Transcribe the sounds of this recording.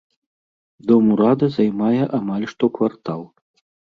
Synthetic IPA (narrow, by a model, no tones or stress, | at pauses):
d̪ɔmuɾad̪ɐzajmajɛʔamalʲʂt̪ɔkvart̪alˠ